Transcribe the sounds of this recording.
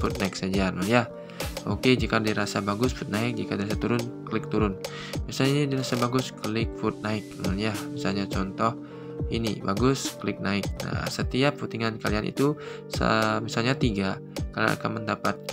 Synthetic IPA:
fut̪̚naɪksad͡ʒarnɔnja | o̰ked͡ʒikadiɾasabaɡʊsfut̪̚naɪk̚d͡ʒikadiɾasat̪uɾʊnkəlɪk̚t̪uɾʊn | misalɲaiidiɾasabaɡʊskəlɪk̚fut̪̚naɪk̚nɔ̰njamisalɲat͡ʃɔnt̪ɔh | inḭbaɡʊskəlɪk̚naɪk̚na̰sət̪iap̚fut̪iŋankalianʔḭt̪u | sə̰misalɲat̪iɡa | kalna̰a̰kanməndapat̪̚

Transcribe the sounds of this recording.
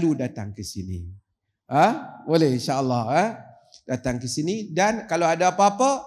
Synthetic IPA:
ludat̪aŋkəsḭnḭ | əbolɛhinʃaʔəlːɑhə | dat̪aŋkəsinidankaloadaapaapə

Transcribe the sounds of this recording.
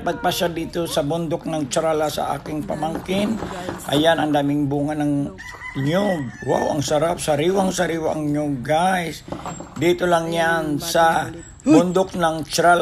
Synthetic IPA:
pɐɡ̚paʃad̪iːt̪osɐbʊnd̪ok̚nɐŋt͡ʃɾalasɐ̰ʔa̰ːkɪŋpɐmaŋkɪnʔɐjanɐnd̪aːmɪŋbuːŋanɐŋ | ɲob̚wa̰wɐ̰ŋsɐɾap̚saɾiwaŋsaɾiːwaʔɐŋɲoɡ̚ɡasd̪iːt̪olaŋjansa | bʊnd̪ok̚nɐŋt͡ʃɾal

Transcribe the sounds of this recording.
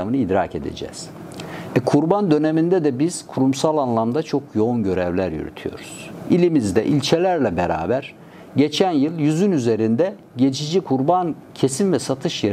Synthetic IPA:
amɯnɯid̪ɾaːce̞d̪e̞̰d͡ʒɛ̰ːz̥ | ɛkʰuɾband̪ø̞ne̞mind̪ɛd̪ɛbiz̥kʰuɾumsalˠanlˠamd̪at͡ʃʰo̞kʰjo̞unɟø̞ɾɛvlʲæɾjy̰ɾy̰t̪ʰyjo̞̰ɾuz̥ilʲimizd̪ɛʔilʲt͡ʃʰe̞lʲæɾlʲɛbeɾa̰ːbæɾ̥ | ɟe̞t͡ʃʰænjɯlˠjyzynyze̞ɾind̪ɛ | ɟe̞t͡ʃʰid͡ʒikʰuɾban | cʰe̞sinvɛsat̪ʰɯʃje

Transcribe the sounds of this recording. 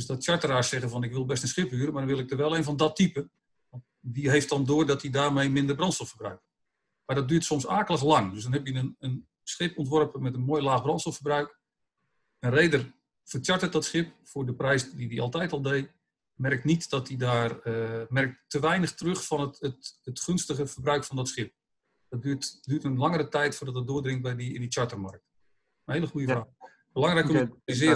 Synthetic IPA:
døsdɔtt͡ʃaɹtəraːsːɛɣənvɔnɪkʋɪlˠbɛstənsχɪphyəɾəmadɔnʋɪlˠɪk̚dərʋɛlˠeːnvɔndɔtipə | ʋɑnt | ʋiɦeːft̚dɔndʊːrdɔtidaːrmejmɪndərbrɔntstɔfərbrœ̰ɥk̚ | madɔt̚dyːtsɔmsaːkəlˠəχlɑŋdøs̬dɔnɦɛpjənənən | sχɪpɔntʋɔrpəmɛtənmoːjlaːχbrɔntsɔfərbrœɥk | ənrejdər | fərt͡ʃjaɹtət̚dɔtsχɪp̚fʊːdəprɛjsdidiɑ̰lˠtɛjtɔlˠdej | mɛrk̚nitd̥ɔtidaːrmɛrk̚ttːəʋɛjnəχtərøχfɔnətətətχɵnstəχəfərbrœɥkfɔndɔtsχɪp̚ | dɔt̚dyːtdyːtənlɑŋəɾətɛjtfʊːrdɔt̚ət̚dʊːdrɪŋt̚bɛjdiɪndət͡ʃaɹtərmark̚t | məhejləχujəfraː | bəlɑŋrɛjkəzɪ

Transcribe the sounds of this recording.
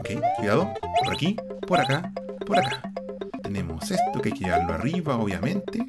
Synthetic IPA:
okejkwuiðaðopoɾakipoɾakapoɾakḁt̪e̞ne̞mo̰sest̪okeajkejeɣaɾloa̰riβaoβja̰mẽ̞nt̪e

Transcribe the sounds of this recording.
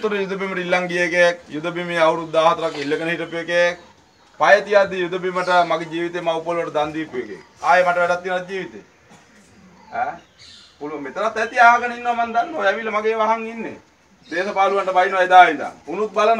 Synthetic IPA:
t̪uɾəjud̪əbiməʈəilːaŋɡijekekjud̪əbimeawuɾud̪aːɦɐt̪əɾakilːeɡənəɦiʈəpujekek | pajɐt̪iad̪ːijud̪əbiməʈəmaɡed͡ʒiːʋit̪emawpolʋəʈəd̪and̪iːpujekḛ | aːjemaʈəʋɛɖat̪ːiːnat̪̚d͡ʒiːʋit̪ḛː | ɛː | puluʋɐmet̪əɾat̪ːɛt̪iaːɦaɡənəinːoʋamand̪and̪oːɛʋilːɐmaɡeːʋaɦaŋinːḛ | d̪eːsɐpaːluʋaɳʈəbajnʋɐjed̪aːʋind̪a̰ŋunuk̚balən

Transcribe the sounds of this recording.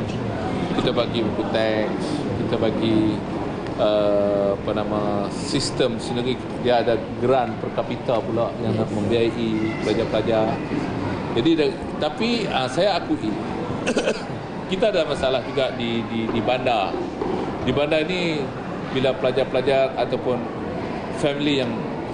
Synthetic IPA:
kit̪abaɡimut̪ut̪ɛks | kit̪abaɡi | əapanamã | sist̪əmsinəɾi | diaːdaɡɾanpərkapit̪alpulaʔjaŋnaʔmə̃mbiaaʔipəlad͡ʒapəlad͡ʒar | d͡ʒadida | t̪apiəsajaːkuʔi | kit̪aːdalamãsaalahd͡ʒuɡaʔdididibandar | dibandaini | bilapəlad͡ʒarpəlad͡ʒarat̪awpʊn | fɛmilijaŋ

